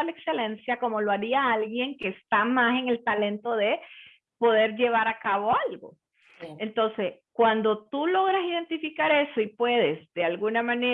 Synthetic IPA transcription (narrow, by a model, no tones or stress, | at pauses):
ale̞kse̞le̞nsjako̞mo̞loaɾiaalɣje̞ŋke̞ːst̪amase̞ŋe̞lt̪ale̞nt̪o̞ðe̞ | po̞ðe̞ɾd͡ʒe̞β̞aɾakaβo̞alɡo̰ | ent̪o̞nse̞skwand̪o̞t̪ulo̞ɣɾasiðe̞nt̪ifikaɾe̞so̞ipwe̞ðe̞zd̪e̞alɣunamãne